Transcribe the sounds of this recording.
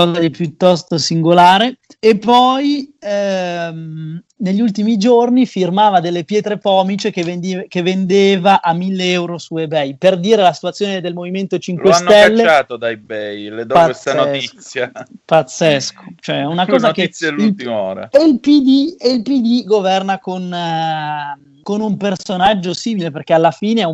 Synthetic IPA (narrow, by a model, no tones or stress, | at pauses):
ɔːzad̪ipjut̪ːɔst̪osiŋɡolaːɾeepːɔj | m | neʎːult̪imid͡ʒornifirmaːvad̪elːepjɛːt̪ɾepɔːmit͡ʃekevkevːend̪eːvaʔamːilːeɛwɾosuebɛjperd̪iːɾelasi̥t̪wat̪sːjoːned̪elmoviment̪ot͡ʃiŋklwesanːɛlːeaːt̪od̪ajbɛjled̪ɔaest̪anot̪it̪sːjapat̪sːesko̥t͡ʃoɛunakɔːzakelt̪io̰ːɾa̰eilpid̪ieilpid̪iɡovɛrnakon | konumpersonad͡ʒːosiːmileperk̟ealːafiːneɛ